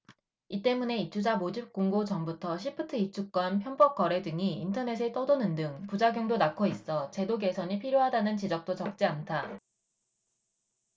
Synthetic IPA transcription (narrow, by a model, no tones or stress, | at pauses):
it͈e̞mune̞it͡ɕʰud͡ʑamod͡ʑip̚k͈oŋɡot͡ɕʌmbutʰʌɕʰipʰɯtʰɯit͡ɕʰuk͈̚wʌnpʰjʌmbʌk̚k͈ʌɾe̞dɯŋiintʰʌne̞s̬ʰet͈ʌdonɯndɯŋpud͡ʑaɡjoŋdonakʰois͈ʌt͡ɕe̞doɡe̞sʰʌɲipʰiɾjoɦadanɯnt͡ɕid͡ʑʌk̚t͈ot͡ɕʌk̚t͡ɕ͈iantʰa